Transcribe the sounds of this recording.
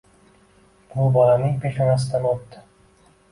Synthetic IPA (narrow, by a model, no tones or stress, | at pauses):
bʊbɒlanɪŋpʰeʃamas̬ɪd̪anot̪ːɪ